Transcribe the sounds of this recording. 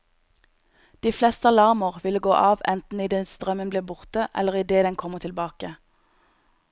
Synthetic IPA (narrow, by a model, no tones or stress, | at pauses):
d̪̥iːflɛst̪əɑlɑʁməʁʋɪləɡoːʔɑːʋɛnt̪n̩iːd̪ɛnst̪ʁœmənbliːbʊʁt̪əʔɛ̰ləʁiːd̪eːd̪ɛnkʰɔməʁt̪ʰɪlbɑːkə